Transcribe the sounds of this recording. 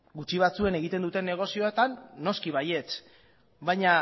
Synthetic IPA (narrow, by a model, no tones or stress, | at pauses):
ɡut͡ʃiβ̞at͡sue̞ne̞ɣ̞it̪e̞nd̪ut̪e̞nːe̞ɣ̞o̞sio̞et̪anːo̞skiβ̞aje̞t͡s | bajɲa